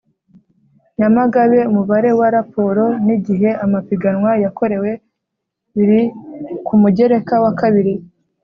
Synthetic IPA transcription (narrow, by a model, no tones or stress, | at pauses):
ɲamaɡaβe̞umuβaɾe̞waɾapo̞ɾo̞niɟiɦe̞amapiɡanwajako̞ɾe̞we̞ | βiɾikumuɟe̞ɾe̞kawakaβiɾi